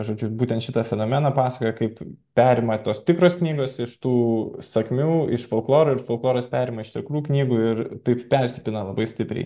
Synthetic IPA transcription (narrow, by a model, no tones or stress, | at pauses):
ʒoːd͡ʒʲʊbuːtʲɛnt̪ʃʲɪt̪ɐfʲɛnoːmʲɛnɐpɑːsɐ̥koːjɛkɐɪppʲæːɾʲɪmɐt̪oːst̪ʲɪkɾoːsknʲiːɡoːsɪʃt̪uːsɐkmʲuːɪʃfolˠklˠoːɾʊɪɾfolˠklˠoːɾɐspʲæːɾʲɪmɐɪʃt̪ʲɪkɾuːknʲiːɡuɪrt̪ɐɪppʲɛɾʲsʲɪpʲɪnɐlˠɐbɐɪsʲt̪ʲɪpʲɾʲɛ̰ɪ